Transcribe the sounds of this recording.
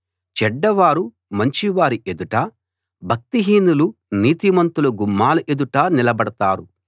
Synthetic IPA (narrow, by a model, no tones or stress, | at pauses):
t͡ʃɛɖːɐʋaːɾu | mɐɲt͡ʃiʋaːɾiʔed̪uʈaː | bʱɐk̚t̪iɦiːnuluniːt̪imɐnt̪ulɐɡumːaːlɐʔed̪uʈaːnilɐbɐɽɐt̪a̰ːɾu